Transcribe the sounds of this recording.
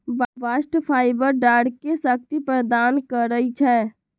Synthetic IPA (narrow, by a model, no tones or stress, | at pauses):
bʋaːsʈpʰaːɪbəɾɖaːɽkesək̚t̪ipɾəd̪aːnkəɾəit͡ʃʰɛː